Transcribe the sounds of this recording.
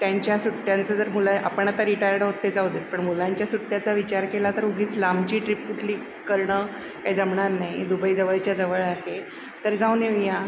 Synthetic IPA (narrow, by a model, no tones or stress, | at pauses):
t̪jaɲt͡ɕjasuʈːjant͡səd͡zəɾmulaʔa̰pəɳat̪aɾiʈajɾɖɦot̪ːed͡zawd̪ilpəɳmulaɲt͡ɕjasuʈːjat͡saʋit͡ɕaɾkelat̪əɾuɡʱiːt͡slambt͡ɕiːʈɾipuːʈliːk | kəɾɳə | kaid͡zəmɳaɾnaid̪ubəiːd͡zəʋəɭt͡ɕjad͡zəʋəɭaɦe | t̪əɾd͡zawneja